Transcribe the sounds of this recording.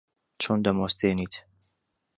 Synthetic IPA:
t͡ʃʰond̪ɐmost̪ʰeːnit̪ʰ

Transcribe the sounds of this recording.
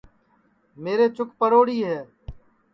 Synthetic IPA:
meːɾeːt͡ʃʊkpəɾoːɽiːɦɛː

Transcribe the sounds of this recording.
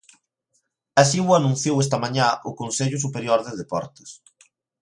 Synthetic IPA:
asiwʊanũn̟θjowest̪ɐmaɲãʔʊkonseʎʊs̬upeɾjoɾðɪðepɔɾt̪e̥s

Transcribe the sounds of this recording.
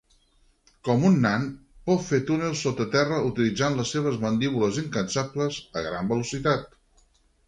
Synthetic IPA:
kɔmunːanpɔt̪fet̪unelˠsot̪ət̪ɛrəut̪ilid͡zanləsːeβ̞əzmənd̪iβuləziŋkənsapləzəɣɾambəlusit̪at̪̚

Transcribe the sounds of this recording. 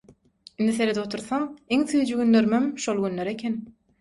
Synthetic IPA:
ind̪iθeɾed̪ot̪ʰuɾθɑŋiŋθyjd͡ʒyɡynløɾmemʃolˠɡynløɾekʲʰen

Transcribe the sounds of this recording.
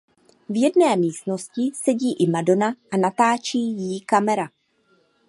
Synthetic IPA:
vjɛdnɛːmiːst̪no̞scɪsɛɟiːʔɪmado̞naʔanat̪aːt͡ʃiːjɪkamɛɾa

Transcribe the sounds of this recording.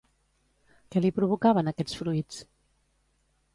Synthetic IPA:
kɛlipɾuβ̞ukaβənəkɛt͡sfɾuit͡s

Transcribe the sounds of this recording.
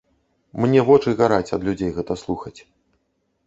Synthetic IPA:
mnʲɛvɔt͡ʂɨɣaɾat͡sʲɐd̪lʲud͡zʲejɣɛt̪ɐslˠuxɐt͡sʲ

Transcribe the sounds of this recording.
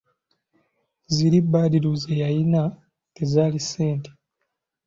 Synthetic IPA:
ziɾibːaːdiluzejajina | tezaːlise̞ːnte̥

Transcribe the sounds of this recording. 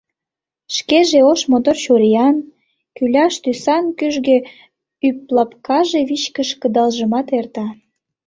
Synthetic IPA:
ʃkeʒeoʃmod̪ort͡ɕuɾijɑn | kylʲɑʃt̪ysɑnkyʒɣĕ | yplɑpkɑʒeβit͡ɕkəʃkəd̪ɑlʒəmɑt̪ert̪ɑ

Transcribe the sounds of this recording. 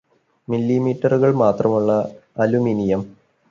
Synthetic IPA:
milːimiːʈːɐruɣɐɭmaːt̪rɐmuɭːɐɐluminijɐm

